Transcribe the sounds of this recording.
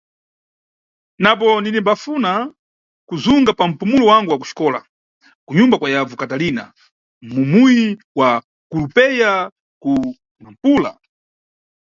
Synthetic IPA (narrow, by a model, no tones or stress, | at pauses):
napɔndinimbafuna | kuzuŋɡapam̩pumulɔwaŋɡuwaku̥ʃi̥kɔːla̰ | kuɲumbakwajavukatalina̰ | mumuji | wa | kulupɛja | ku | nam̩puːla̰